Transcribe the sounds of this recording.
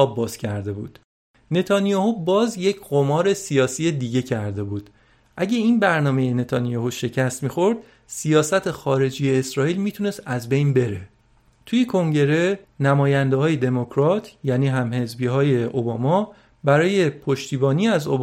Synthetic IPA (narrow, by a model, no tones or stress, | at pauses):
ɒːbːɒːz̥cʰæɾd̪e̞bṵːd̪̥ | ne̞t̪ʰɒnijɒːhubɒːzje̞cʰɢo̞mɒːɾe̞sijɒːsiːed̪iɟe̞cʰæɾd̪e̞buːd̪̥ | ʔæɟʲeinbæɾnɒːme̞jene̞t̪ʰɒːnijɒːhuʃe̞cʰæst̪miːxo̞ɾd̪̥ | sijɒːsæt̪ʰexɒːɾe̞d͡ʒijeːsɾɒːiːlmit̪ʰune̞st̪æzbe̞jnbe̞ɾe̞ | t̪ʰujekʰo̞ŋɟe̞ɾe̞næmɒːjænd̪ehɒːje̞d̪e̞mokʰɾɒt̪ʰjæːniːɦæmhe̞zbiɦɒːje̞ʔobɒːmɒ | bæɾɒːje̞pʰo̞ʃt̪ʰiːbɒːniæzob